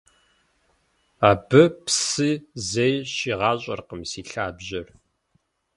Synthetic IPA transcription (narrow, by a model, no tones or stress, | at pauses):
aːbɨpsɨzejɕiːʁɑːɕʼɐ̰rqəmsiːɬaːbʑɐr